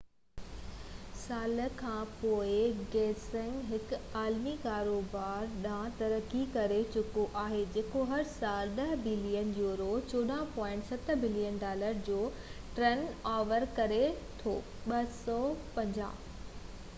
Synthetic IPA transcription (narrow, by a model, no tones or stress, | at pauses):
saːləkʰãːpoːɪɡɛːsɪ̃ŋɡɦɪkaːlmikaːɾoːbaːɾɗãːt̪ɐɾəkikɐɾet͡ɕʊkoʔaːɦed͡ʑeːkoɦɐɾsaːlɗɐɦbɪlijənjuːɾot͡ɕoːɗãːpɔ̃ːɪ̃ɳʈsɐt̪bɪlijənɖaːləɾd͡ʑoː | ʈɾenaːʋəɾkɐɾet̪ʰoː | ɓɐɦsɔːpɐ̃ɲd͡ʑa̰ː